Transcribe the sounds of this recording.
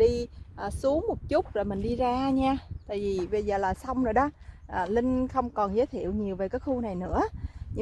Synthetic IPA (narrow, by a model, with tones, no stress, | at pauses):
ɗi˧ʔəː˨˩su˨˦əŋmo˨˩t̚t͡ɕʊ˦˥t̚zo˨˩jmï˨˩ŋ̟ɗi˧zaː˧ɲaː˧t̪a̰ː˧˨jvi˨˩ɓə˧jzə̰ː˨˩laː˨˩sa˧wŋ͡mzoː˨˩jɗɔ˨˦ʔəː˨˩lï˧ŋ̟xə˧wŋ͡mkɔ˨˩nzəː˨˦t̪ʰi˧˨əwɲi˨˩əwve˨˩kaː˨˦jxu˧na˨˩jnɨ̰˧˥əɲ˧